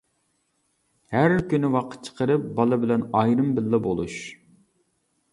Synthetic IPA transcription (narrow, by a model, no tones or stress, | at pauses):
hæɾkʲynɪwɑqʰə̥t̪̚t͡ʃʰə̥qʰəɾɨp̚bɑlˠɨbɪlɛnɑjɾɨmbɪlːɛbolˠuʃ